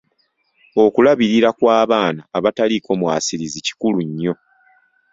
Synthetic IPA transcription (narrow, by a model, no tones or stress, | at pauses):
o̞kulaβiɾiɾakwaːβaːnaːβataliko̞mwaːsiɾizici̥kuluɲːo̞